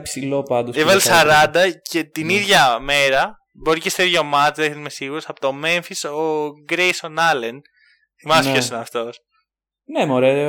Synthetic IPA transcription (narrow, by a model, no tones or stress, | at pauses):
psilopɐnd̪oevɐlessɐɾɐnd̪ɐce̞t̪iniðʝɐme̞ɾɐ | bo̞ɾicest̪eɾʝomɐt̪iðeçet̪mesiɣuɾosɐpot̪ome̞ɱfisoɡɾejsonɐlen | θimɐspçosinɐft̪o̞s | nemoɾee